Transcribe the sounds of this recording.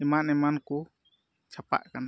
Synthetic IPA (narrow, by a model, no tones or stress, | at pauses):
ɛmanɛmanku | t͡ʃʰapa̰ʔkana